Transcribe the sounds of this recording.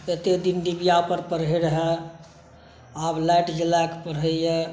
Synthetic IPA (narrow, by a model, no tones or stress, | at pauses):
et̪ed̪ind̪ibijapəɾpəɾɦəɾəɦɛ | ablajʈd͡ʒelakpəɾɦəe